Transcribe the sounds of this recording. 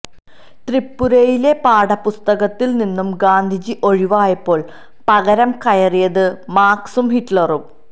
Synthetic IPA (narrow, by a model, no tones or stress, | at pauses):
t̪ripːuɾɐjile̞paːɽɐpust̪ɐɣɐt̪ːilninːumɡaːnd̪ʱid͡ʑiʔo̞ɻiʋaːjɐpːo̞ːɭ | pɐɣɐɾɐmkɐjɐrijɐðɨmaːksumhiʈlɐru